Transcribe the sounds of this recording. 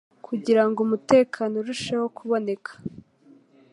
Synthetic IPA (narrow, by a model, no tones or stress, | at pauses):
kʰuɟiɾaŋɡumute̞ːkʰanoɾuʃeho̞kʰuβo̞ne̞kʰḁ